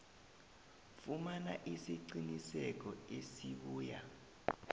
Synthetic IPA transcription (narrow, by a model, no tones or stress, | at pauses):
fumanaʔisiǀinisɛk̬ɔesiɓuːja̰